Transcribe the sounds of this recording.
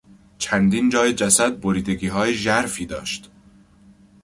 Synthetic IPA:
t͡ʃʰænd̪ind͡ʒɒːjed͡ʒæsæd̪̚boɾiːd̪e̞ɡiːɦɒːjeʒæɾfiːd̪ɒ̰ːʃt̪

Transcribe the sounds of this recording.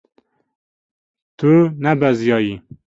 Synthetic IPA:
t̪ʰunɛbɛzjɑːji

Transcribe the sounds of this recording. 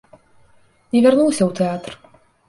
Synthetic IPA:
nʲɛvʲarnuwsʲɐwt̪ɛat̪r

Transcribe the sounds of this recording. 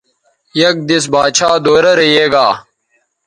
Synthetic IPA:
jɐk̚d̪is̬baːt͡ɕʰaːd̪oːɾɐɾɐjeːɡaː

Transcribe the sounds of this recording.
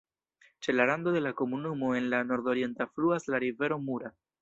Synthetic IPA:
t͡ʃe̞laɾand̪o̞de̞lako̞munumo̞e̞nlano̞ɾd̪o̞ɾie̞ntafluaslaɾive̞ɾo̞muɾa

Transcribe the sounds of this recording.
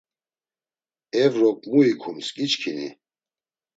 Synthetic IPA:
ɛvɾɔkʼmuikʰumskʼit͡ʃkʰinḭ

